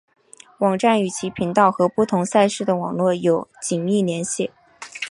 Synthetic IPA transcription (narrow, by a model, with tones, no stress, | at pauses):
wɑ˨˩ŋʈ͡ʂa˥˩ny˨˩t͡ɕʰi˧˥pʰi˧˥ŋt̪ɑ˥˩ʊxɤ˧˥pu˥˩t̪ʰʊ˧˥ŋsa˥˧ɪʂɻ̩˥˩d̪ə˩wɑ˨˩ŋlwɔ˥˩jo˨˩ʊt͡ɕi˨˩ŋi˥˩ljɛ˧˥nɕjɛ˥˩